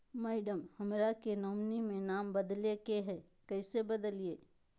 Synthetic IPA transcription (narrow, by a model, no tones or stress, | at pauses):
mɛːɪɖəmhɐmɾakenoːmnimẽnaːmbəd̪lekeɦɛ | kəɪsebəd̪əlieː